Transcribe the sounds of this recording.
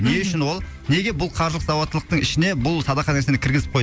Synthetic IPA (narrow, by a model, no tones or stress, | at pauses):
ne̞ʏʃɪnwo̞lˠ | ne̞ɡʲebʊlˠqʰɑɾʒlˠəq̪zɑwot̪ːəlˠəq̚t̪əɴɪʃɪne̞bʊlˠsɑd̪ɑqɑt̪esenɪkʲʰɪɾɡʲɪzɪp̚qʰoj